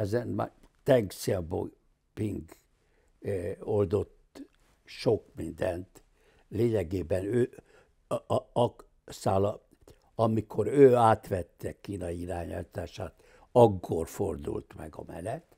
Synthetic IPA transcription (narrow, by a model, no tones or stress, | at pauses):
ɛzɛnma̰t̪ɛŋksiɛbo̰ | piŋɡ | old̪o̞t̪ | ʃo̞kmind̪ɛnt̪ | leːɲɛɡeːbɛnøː | ɒk | saːlɒ | ɒmikʰo̞ɾøːaːt̪ʋɛt̪ːɛkiːnɒiiɾaːɲa̰lt̪aːʃaːt̪ | ɒkːo̞rford̪ṵlt̪mɛ̰ɡɒ̰mɛ̰lɛt̪